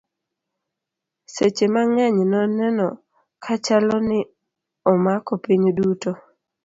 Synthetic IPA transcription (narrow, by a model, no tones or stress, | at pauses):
set͡ʃemaŋɛɲnɔnɛnɔ̰ | kʰat͡ʃalɔnɪ | ɔmakɔpiɲduto